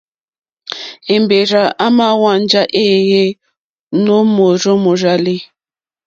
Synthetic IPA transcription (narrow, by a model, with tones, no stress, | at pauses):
e˨mbe˨ɾa˨a˦ma˦wa˦n̩˦d͡ʒa˦ʔe˦˨je˦ | no˦mo˨ɾo˦mo˨ɾa˨li˦